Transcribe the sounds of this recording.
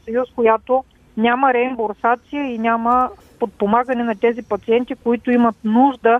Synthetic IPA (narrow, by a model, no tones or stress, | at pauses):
sɐjuskojat̪o | nʲaməɾɛimboɾsat̪sijəinʲamə | pot̪̚pomaɡənɛnɐt̪ɛzipɐt̪siɛnt̪ikoit̪ʊimɐt̪nuʒd̪ə